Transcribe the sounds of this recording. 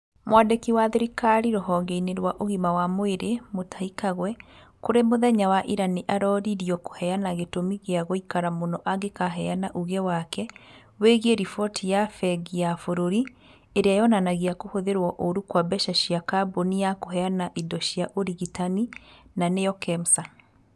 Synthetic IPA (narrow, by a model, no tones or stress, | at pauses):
mwadekiwaðeɾikaɾiɾohɔŋɡeineɾwaʔoɣimawamoeɾemotaikaɣwɛkoɾemoðɛɲawaʔiɾaniʔaɾɔɾiɾiɔko̥hɛanaɣetomiɣeaɣoikaɾamonɔʔaɣekaɦɛanaʔuɣɛwakɛ | weɣieɾifɔtijafɛɡiafoɾoɾi | eɾeajɔnanaɣiakohoðeɾwɔʔoɾukwabɛʃaʃiakaboniakoɦɛanaʔidɔʃiaʔoɾiɣitaninanejɔkɛmsa